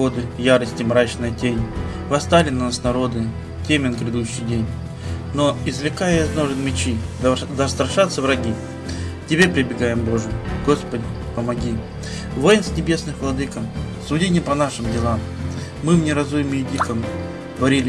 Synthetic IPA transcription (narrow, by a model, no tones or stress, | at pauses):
o̞d̪ɨjaɾəsʲtʲɪmɾat͡ɕnɨjətʲenʲ | vɐst̪alʲɪnnasnɐɾo̞d̪ɨ | tʲemʲɪnkɾʲɪd̪uɕːɪjdʲenʲ | no̞ɪzvlʲɪkajəjɐznoʐɨnmʲɪt͡ɕid̪ɐst̪ɾɐʂat̪səvɾɐɡʲi | tʲɪbʲepɾʲɪbʲɪɡajɪmbo̞ʐɨɡo̞spədʲɪ | pəmɐɡʲi | vo̞jɪnsʲnʲɪbʲe̞snɨxvlˠɐd̪ɨkəmsʊdʲinʲɪpɐnaʂɨmdʲɪlˠamː | ɨmnʲɪɾɐzujɪmɨjɪdʲikəm | t̪vɐɾʲilʲɪ